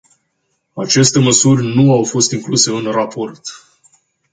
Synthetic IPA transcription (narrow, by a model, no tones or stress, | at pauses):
at͡ʃe̞st̪e̞məsurʲnuawfo̞st̪iŋkluse̞ɨnrapʰo̞rt̪